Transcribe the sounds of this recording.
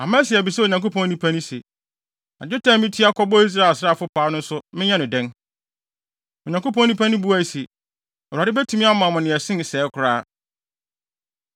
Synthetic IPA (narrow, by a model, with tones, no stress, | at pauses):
a˨mãː˦si˨ɛ˨bi˨sɛ˦o˨ɲã˨ŋko˦pʰɔ̃˦nĩ˦pʰã˦nʊ̃˦se˨ | a̰˨d͡ʑᶣɪ˦tʰã˦mɪ̃˦tʰi˦a˦kʰɔ˦bɔ˦i˦s̬ɾaː˦˨sɾa˦˨fʊ˦pʰaː˨˦nʊ̃˦n̩˦sʊ˦mɪ̃˦ɲɛ̃˦nɪ̃˨dɛ̃˦n | o˨ɲã˨ŋko˦pʰɔ̃˦nĩ˦pʰã˦nʊ̃˦bu˦æ˨i˨se˨ | ɛ˨a˨dɪ˦bɛ˦tʰu˨˦mĩ˦a˦mã˨mʊ̃˨nɪ̃˨ɛ˨sɪ̃˦n˨sɛː˨˦kʷʰʊ˨ɾaː˦